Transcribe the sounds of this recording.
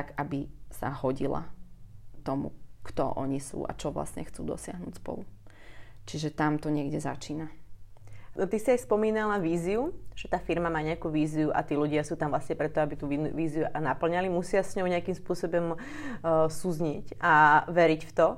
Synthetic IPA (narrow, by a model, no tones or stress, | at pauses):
ɡabisa̰hɔɟila̰ | t̪ɔmṵkt̪ɔ̰ʔɔ̰ɲisṵːʔa̰t͡ʃɔʋla̰sɲɛ̰xt͡sṵːd̪ɔ̰sɪaɦnuːcspɔ̰lu | t͡ʃiʒɛt̪amt̪ɔɲɪɛɡɟɛza̰t͡ʃiːna | t̪isiajspɔmiːnalaʋiːziuʒ̥ɛt̪aːfiɾmamaːɲɛakuːʋiːziuʔa̰t̪iːluɟɪasuːt̪amvlasɲɛpɾɛt̪ːɔabit̪uːiʋiːziunapl̩ɲalimusɪasɲɔʊɲɛakimspʊɔsɔbɔm | suzɲicʔaʋɛɾicft̪ɔ